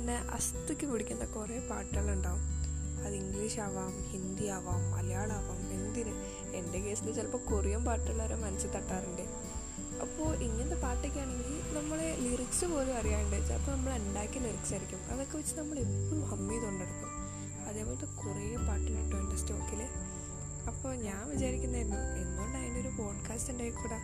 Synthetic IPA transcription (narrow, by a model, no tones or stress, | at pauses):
inːeʔɐ̰st̪ikʲːɨpiɽikʲːunɐɐkːrejɐpaːʈːɐluɳɖaːʋumɐðiŋɡliːʂaːʋaːmhind̪ijaːʋaːmɐ̰lɐjaːɭaːʋaːmind̪inɨ | endeke̞ːsilet͡ɕɐlpɐːkurɐjɐmpaːʈːɐɭːɐːɾomɐnɐsːɨt̪ɐʈːaːriɳɖe | ɐ̰pːoːɭʔiŋːɐnind̪epaːʈːekʲːaːneŋɡilinɐmːɐɭeliriksɨpo̞ːlumɐrijaːjuɳɖaːjt͡ɕːɐɐ̰pːoːnɐmːɐɭenɖaːkʲːiliriksaːɾikʲːumɐ̰ðokːeʋɐt͡ɕːɨnɐmːɐɭeːɐlumhɐmːijt̪oɳɖeɽukːum | ɐðe̞ːpoːlðekurijɐmpaːʈːilɐʈːuɳɖɐstoːkːile | ɐpːo̞ːɲaːnʋit͡ɕaːɾikʲːunːɐnːuenːonaːjineoɾufo̞ːɖkʰaːstindeːjkːuːɽɐ